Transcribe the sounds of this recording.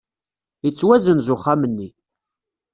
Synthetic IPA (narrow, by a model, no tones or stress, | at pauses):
ət͡sːwæzənzʊχːamənːi